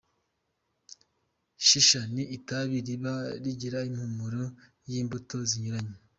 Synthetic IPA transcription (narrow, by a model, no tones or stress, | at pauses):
ʃiʃaniʔːtaβiɾiβaɾiɟiɾaimhumuɾo | jiːmbutoziɲuɾaɲe